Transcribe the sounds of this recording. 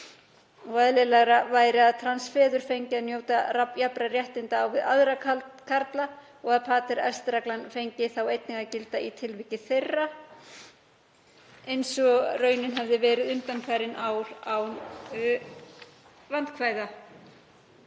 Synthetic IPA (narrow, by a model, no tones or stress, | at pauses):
ɔɣaðlɛlɛɣɾavaːjɾɪaðt̪ʰɾansfɛːðʏɾ̥fejɲcɪaðnjoːwt̪arajapɾarjɛht̪ɪnt̪aːwvɪðaðɾakʰaɾt̪la | ɔɣaðpʰaːt̪ɪɾɛ̰st̪ɾaklanfejɲcɪθawejt̪nɪŋɣacɪlt̪ait̪ʰɪlvɪcɪθejrːa | ejnsɔrœːɥnɪnɦɛvðɪvɛːɾɪðʏnt̪anfʰɛɾɪnʔaːwlaw | vant̪kʰvaːjða